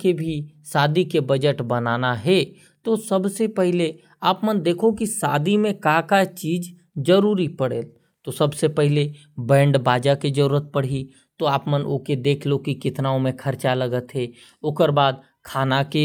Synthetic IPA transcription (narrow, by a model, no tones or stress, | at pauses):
kebʱisaːd̪ikebɐd͡ʒəʈbɐnaːnaɦɛ | t̪osɐbsepɛɦle | aːpmənd̪eːkʰokisaːd̪imẽkakat͡ʃiːd͡ʒ | d͡ʒəɾuːɾipəɽ̤eːl | t̪osɐbsepɛɦle | bɛ̃ːɳɖbaːd͡ʒakid͡ʒəɾuːɾət̪̚pəɽ̤i | t̪oaːpmənʔo̰ːked̪eːkʰlokikɪt̪naːõmẽkʰɐɾt͡ʃaləɡət̪ɦɛ | oːkəɾbaːd̪ | kʰaːnake